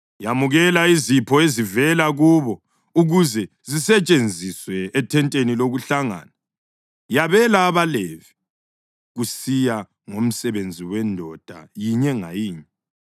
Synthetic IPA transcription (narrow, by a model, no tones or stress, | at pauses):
jamuɣɛlaizipʰɔezivɛlaɣuβɔ | uɣuzɛ | zisɛt͡ʃʼend͡zʱiswɛːtʰɛntʼeniloɣuɬaŋa̰na | jaβɛlaːβalɛvi | ɣusija | ŋom̩sɛβend͡zʱiwɛndʱɔd̥ʱa̰jiɲɛŋa̰jiːɲɛ